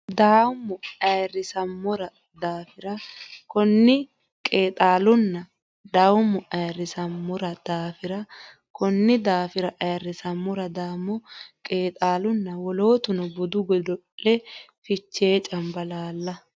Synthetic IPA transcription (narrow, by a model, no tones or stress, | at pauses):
d̪aːwʊmːɔɐjrːɪsɐmːɔɾɐ | d̪aːfɪɾɐkɔnːɪ | kʼeːt̪ʼaːlʊnːɐ | d̪aːwʊmːɔʔɐjrːɪsɐmːɔɾɐd̪̥aːfɪɾɐ | kɔnːɪd̪aːfɪɾɐʔɐjrːɪsɐmːɔɾɐd̪aːmːɔkʼeːt̪ʼaːlʊnːɐwɔlo̞ːt̪ʊnɔbʊd̪ʊɡɔd̪ɔlːɛfɪt͡ʃːeːt͡ʃʼɐmbɐlaːlːɐ